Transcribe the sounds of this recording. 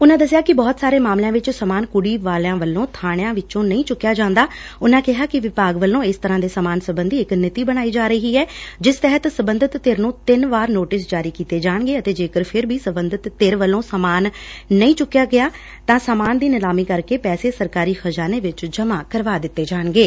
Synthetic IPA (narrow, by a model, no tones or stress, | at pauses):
ʊnãːd̪əsɪjaːkɪbɔːt̪saːɾeːmaːmlejãːʋɪt͡ʃsəmaːnkʊɽiːʋaːlãːʋəlːõːt̪ʰaːɽ̃jãːʋɪt͡ʃõːnəĩːt͡ʃʊkːjaːd͡ʒãːnd̪aːʊnãːkɪɦaːkɪʋɪpaːɡʋəlːõːɪst̪əɾãːd̪eːsəmaːnsəbənd̪iːɪknɪt̪iːbəɽ̃aːiːd͡ʒaːɾəɦiːɛːd͡ʒɪst̪ɛɦət̪səbə̃nd̪ət̪ːeːɾnũːt̪ɪnʋaːɾnoːʈɪs̬d͡ʒaːɾiːkiːt̪eːd͡ʒaːɳ̃ɡeːət̪eːd͡ʒeːkəɾpʰɪɾbiːsəbənd̪ət̪ːeːɾʋəlːõːsəmaːnːəĩːt͡ʃʊkːjaːɡɪjaː | t̪ãːsaːmaːnd̪iːnɪlaːmiːkəɾkeːpɛːseːsəɾkaːɾiːxʰəd͡ʒaːneːʋɪt͡ʃd͡ʒəmãːkəɾʋaːd̪ɪt̪ːeːd͡ʒaːnɡeː